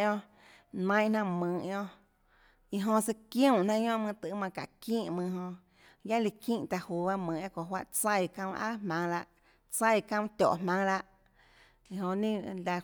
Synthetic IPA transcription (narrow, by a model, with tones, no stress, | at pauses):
õ˧ | nã˧˦j̃ʔnã˧mɨ̃ː˨ʔjõ˧ʔ | i˧ɦõ˧se˧kjũ˦˧˨ʔnã˧ɲõ˦ʔmɨ̃˧t̪ɨ˨ʔmã˧ka̰˨kĩː˦˨ʔmɨ̃˧ɦõ˧ | ja˦li˧kĩː˦˨ʔt̪a˧ʔhuː˨ba˦˧mɨ̃ː˨a˦kʷõ˨ɦwa˦ʔt͡sa˧˨kã˧ʔa̰˦hmã˧ŋla˧ʔ | t͡sa˦˧jkã˧t̪ʲɔ̰˨ʔmã˧ŋla˧ʔ | i˧ɦõ˧ʔnĩ˦la˧